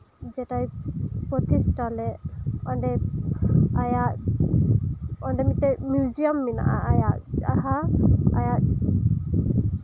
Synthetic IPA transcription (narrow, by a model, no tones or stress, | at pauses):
d͡ʒɛʈajpɔt̪ʰisʈɔlɛɔɳɖɛ | ajaʔ | ɔnɖɛmit̪ɛmjud͡ʒiɔmːina̰ʔaʔajaʔaɦaa̰jaʔ